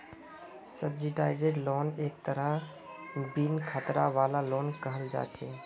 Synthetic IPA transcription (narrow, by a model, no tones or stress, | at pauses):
səbd͡ʒiʈaːɪzeɖloːneːk̚t̪əɾəɦ | binkʰət̪ɾa̰ʋaːlaloːnkəɦəld͡ʒa̰ːt͡ʃʰeː